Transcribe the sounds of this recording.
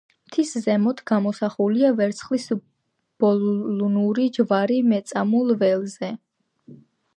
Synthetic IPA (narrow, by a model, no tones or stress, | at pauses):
mt̪ʰiszɛmɔt̪ʰɡ̥amɔsaχuliavɛɾt̪sʰχlis | b̥ɔllunuɾid͡ʒvaɾimɛt̪sʼamulˠvɛlˠzɛ